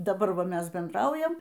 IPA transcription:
dɐˈbɐr ˈʋɐ ˈmʲɛs bʲɛndˈrɐʊjɛm

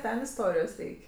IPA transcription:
ˈtʲɛn ɪsˈtoːrʲɪjoːs ˈrʲɛɪkʲ

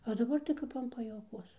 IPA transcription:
oː dɐˈbɐr tɐɪ ˈkɐp ɐn pɐjuɔˈkuɔs

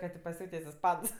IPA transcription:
kɐ tʲeː pɐˈsʲuːtʲeːsʲ ɪsˈpɐns

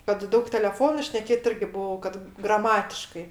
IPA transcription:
kɐt ˈdɐʊk tʲɛlʲɛˈfoːnʊ ʃʲnʲɛˈkʲeːt ˈɪrʲɡʲɪ ˈbʊʋɐʊ kɐt ɡrɐˈmɑːtʲɪʃkɐɪ

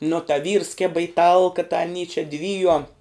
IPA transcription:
nʊ tɐ ʋʲiːrs ˈkʲeːbɐ ɪ ˈtɐlˠkɐ tɐ ɐˈnʲiː t͡ʃʲɛ ˈdʲʋʲiːjuɔm

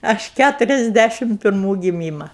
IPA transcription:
ˈɐʃ ˈkʲætʊrʲɛzʲˌdʲæʃʲɪm pʲɪrˈmuː ɡʲɪˈmʲiːmɐ

